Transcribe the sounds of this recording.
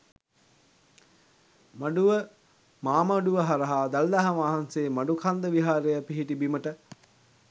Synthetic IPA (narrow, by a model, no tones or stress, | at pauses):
maɖuʋə | maːmɐɖuʋəɦaɾɐɦaːd̪ald̪aɦaʋaːɦanseːmaɖukʰand̪əʋiɦaːɾejəpiɦiʈibiməʈə